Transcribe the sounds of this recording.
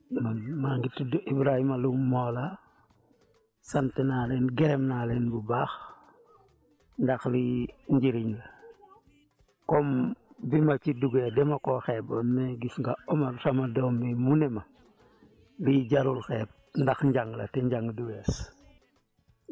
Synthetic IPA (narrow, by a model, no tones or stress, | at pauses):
mamaŋɡitidʔibɾahimalumoːla | santenalenɡeɾɛmnalenbubaːx | ndaxliɲɟiɾiɲla | kɔmbimat͡ʃiduɡedɛmakoxeːbonːeɡisŋɡaɔmafamadɔːmbimunema | liɟaɾulxeːb̚ndaxɲɟaŋɡla̰teɲɟaŋɡduɡes